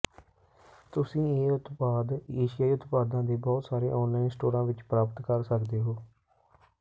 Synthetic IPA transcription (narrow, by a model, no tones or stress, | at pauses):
t̪ʊsĩːeːʊt̪paːd̪eːʃɪjaːiːʊt̪paːd̪ãːd̪eːbɔːt̪saːɾḛːʔɔːnlaːinsʈoːɾãːʋɪt͡ʃpɾaːpət̪kəɾsəkd̪eːɦoː